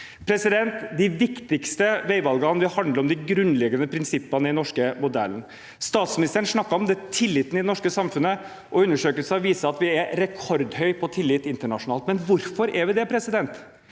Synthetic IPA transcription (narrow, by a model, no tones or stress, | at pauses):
pʰɾɛsɪd̪ɛnt̪d̪ɪʋɪkt̪ɪkst̪əʋeɪʋɑlɡɑnʋɪhɑnd̪əɾɔmd̪ɪɡɾʉnlɛɡənəpʰɾɪnsɪpːənəɪɛnɔʂkəmʊd̪æ̰lːən | st̪ɑːt̪smɪnɪst̪əɾənʂɳɑkːɑɾɔmd̪ɛt̪ʰɪlːɪt̪n̩ɪd̪ɛnɔʂkəsɑmfʉnːə | ʔɔʉnːəʂøːkəlsəɑʋiːsəɑt̪ʋɪɛɾɛkʰɔɾd̪hœʏpʰɔt̪ʰɪlːɪt̪ɪnt̪əɳɑʂʊnɑːlt̪mɛnʋʊɾfɔɾɛɾʋɪd̪ɛpʰɾɛsɪd̪ɛnt̪